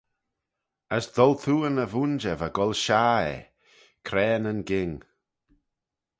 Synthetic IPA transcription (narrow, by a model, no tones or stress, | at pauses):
əsd̪ɔlt̪ʰuːənəvund͡ʒəvaɡɔlʃaːɛ̰ | kʰɾɛːnənɡɪŋ